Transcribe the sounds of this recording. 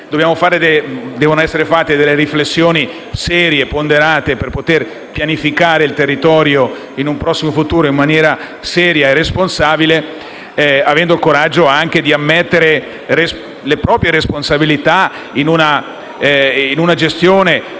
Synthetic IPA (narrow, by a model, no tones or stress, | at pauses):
d̪objaːmofaːɾed̪ed̪ɛːvonoɛsːeɾefat̪ːed̪elːeɾiflesːjoːni | sɛːɾjepond̪eɾaːt̪eperpot̪er | pjanifikaːɾeilt̪erːit̪ɔːɾjo | inumpɾɔsːimofut̪uːɾoimːanjɛːɾa | sɛːɾjaeresponsaːbile | avɛnd̪oilkoɾad͡ʒːoaŋk̟ed̪iamːet̪ːeɾe | res | lepɾɔːpɾjeɾesponsabilit̪a | inuna | inunad͡ʒest̪joːne